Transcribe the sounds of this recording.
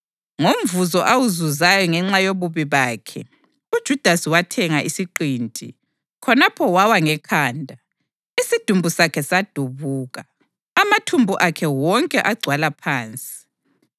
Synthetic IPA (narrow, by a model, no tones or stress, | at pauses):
ŋom̩vuzɔʔawuzuzajɔŋɛŋ͡ǁajoβuβiβaːkʰɛ | ud̥ʒ̥ʱud̥ʱasiwatʰɛŋaʔisiǃiːntʼḭ | kʰɔnapʰɔwawaŋɛkʰaːndʱa | isid̥ʱumbʱusakʰɛsad̥ʱuβuːɣaː | matʰumbʱuʔakʰɛwɔŋkʼɛʔaɡ͡ǀʱwalapʰaːnt͡sʼi̥